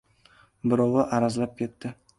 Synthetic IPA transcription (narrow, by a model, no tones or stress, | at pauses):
bɪɾɑwaʔaɾazlap̚kʲʰe̞t̪ʰːɪ